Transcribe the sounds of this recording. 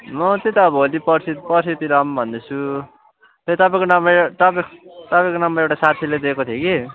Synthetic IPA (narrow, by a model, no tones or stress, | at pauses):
mʌt̪et̪aʌbʌɦolipʌrsit̪pʌrsit̪iɾʌmbʱʌnd̪et͡sʰu | t̪et̪ʌpãj̃konʌmʌt̪ʌpt̪ʌpãj̃konʌmʌewʈasat̪ʰiled̪ekot̪ʰjoki